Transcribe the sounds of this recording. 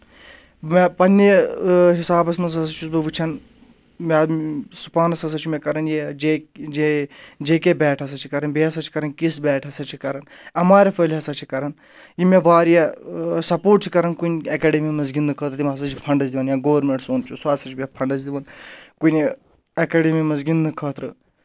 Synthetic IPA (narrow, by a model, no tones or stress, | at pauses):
mepɐnːeɦisaːbɐsmɐnzɐsɐt͡ʃʰusbɨʋɨt͡ʃʰɐn | memsu̥paːnɐsɐs̬ɐt͡ʃʰumẽkɐɾɐnjed͡ʒeed͡ʒeːkebɛːʈʰɐs̬ɐt͡ʃʰi̥kɐɾɐnbiɐsɐt͡ʃʰi̥kɐɾɐnkisbɛːʈʰɐsɐt͡ʃʰikɐɾɐn | ɐmaːɾefəːlɦɐsɐt͡ʃʰikɐɾɐn | jimẽʋaːɾijesɐpoːʈ̚t͡ʃʰikɐɾɐnkunɐkeːɖemimɐzɡinːɨkʰɐːt̪ɾt̪imɐsɐt͡ʃʰipʰɐɳɖɐzd̪iʋɐnjãːɡoːʋɐɾmeɳʈsoːnt͡ʃʰusaːsɐt͡ʃʰbʲipʰɐɳɖɐzd̪iʋɐnkun | ɐkeːɖemimɐzɡinːɨkʰɐːt̪ɾɨ